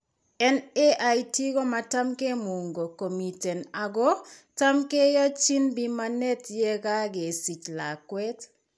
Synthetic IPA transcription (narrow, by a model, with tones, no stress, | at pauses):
ɛ˦neʔaiti˦ɡɔ˦ma˨ta˦mke˦mu˨ŋɡo˨ko˨mi˨tɛ˨na˨ɡɔ˦ta˦mke˦jɔ˦t͡ʃi˦nbi˦ma˦nɛ˦tjɛ˦ɡa˦ɡe˨si˨t͡ʃla˨kwɛ˦t